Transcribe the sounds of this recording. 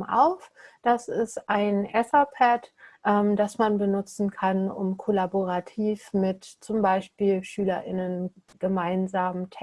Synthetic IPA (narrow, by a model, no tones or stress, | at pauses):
ʔa̰ʊfd̥asɪstʔaɪnʔɛsɐpʰɛtʔɛmdasmanbənʊt͡sn̩kʰanʊ̰mkʰolaboʁatʰiːfmɪtt͡sʊmbaɪʃpiːlʃyːlɐʔɪnənɡ̥əmaɪnzaːməmtʰɛ